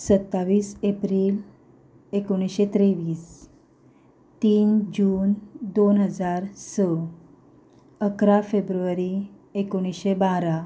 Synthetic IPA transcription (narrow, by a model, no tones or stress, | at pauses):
sət̪ːaʋiːsepɾiːl | ekoɽ̃iɕet̪ɾeʋiːs | t̪iːnd͡ʑuːnd̪onɦəd͡zaɾsə | əkɾafebɾuʋəɾi | ekoɽ̃isɕebaɾa